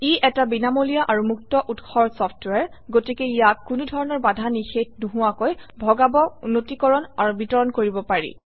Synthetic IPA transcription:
iʔɛtabinamolijaʔaɹumuk̚tɔʔutxɔɹsɔpʰtwaɹ | ɡotikeijakkunudʱɔɹɔnɔɹbadʱanixet̚nuɦʊwakojbʱɔɡabɔnotikɔɹɔnaɹubitɔɹɔnkoɹibɔpaɹḭ

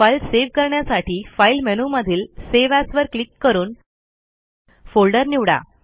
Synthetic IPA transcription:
failseʋkəɾɳjasaʈʰiːfailmenuməd̪ʱiːlseʋæsʋəɾklikːəɾuːn | folɖəɾniʋɽa̰

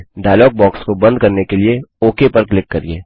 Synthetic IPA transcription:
ɖaːjlɔːɡ̚bɔːkskobɐ̃nd̪̚kɐɾnekelieɔːkepɐɾklɪkːɐɾieː

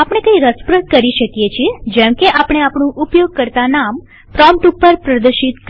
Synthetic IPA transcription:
apɽ̃ekəiɾəspɾəʈ̚kəɾiʃəkjet͡ʃʰied͡ʒɛmkeʔapɽ̃eapɳũʔʊpjoɡ̚kəɾt̪anam | pɾɔmʈupːəɾpɾəd̪əɾʃit̪k

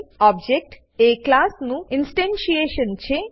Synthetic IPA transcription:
ɔb̚d͡ʒek̚ʈ | eklasnũɪnsʈẽnʃieʃənt͡ʃʰe

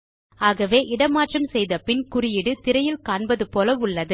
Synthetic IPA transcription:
aːɣɐʋeːʔɪɽɐmaːʈrɐmsɛjðɐpɪnkʊrɪjɪɽɯt̪ɪɾɐjɪlkaːɳbɐðɯpoːlɐʊɭːɐðɯ

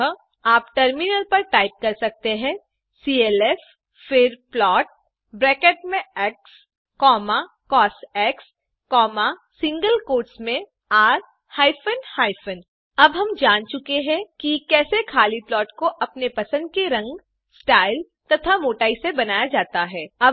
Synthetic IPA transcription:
aːpʈɐɾmɪnəlpɐɾʈaːɪp̚kɐɾsɐk̚t̪eɦɛ̃ː | siːeːlɛːf | fɪɾplɔːʈ̚ | bɾɛːkeːʈmẽɛːks | kɔːma | kɔːsɛːks | kɔːmasɪ̃ŋɡəlkoːʈsmẽ | aːɾ | haːɪfʰənhaːɪfʰən | ɐbɦɐmd͡ʒaːnt͡ʃʊkeɦɛ̃kikɛːsekʰaːliplɔːʈkoʔɐpnepɐsə̃nd̪̚keɾɐ̃ŋɡ | sʈaːɪl | t̪ɐt̪ʰamoːʈaːisebɐnaːjad͡ʒaːt̪aɦɛːɐb

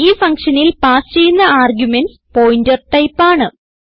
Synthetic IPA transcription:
iːfɐŋkʂɐnilpaːst͡ɕe̞jːunːɐʔaːrɡjumen | po̞ːjindɐrʈːɐjpːaːɳɨ

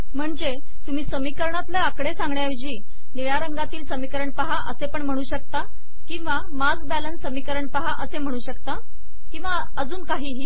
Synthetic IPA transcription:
m̤əɳd͡ze | t̪um̤iːsəmikəɾɳat̪ləakɽesãŋɡɳjaʋid͡ʑiː | niɭaɾəŋɡat̪iːlsəmikəɾəɳpaɦaʔəsepəɳm̤əɽ̃uːɕək̚t̪a | kĩw̃ʋa | mad͡zbælənːəmikəɾəɳpaɦaʔəsem̤əɽ̃uːɕəkt̪a | kĩw̃ʋa | əd͡zuːnkaɦiːɦiː

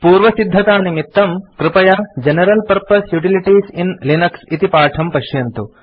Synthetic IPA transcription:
puːɾʋɐsid̪ʱːɐt̪aːnimit̪ːɐmkɾɪpɐjaːd͡ʒenɐɾɐlpɐɾpɐsjuʈiliʈiːsinlinɐksit̪ipaːʈʰɐmpɐʃjɐnt̪u

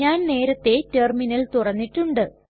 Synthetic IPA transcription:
aːnne̞ːɾɐt̪ːe̞terminɐlt̪urɐnːiʈːuɳɖɨ

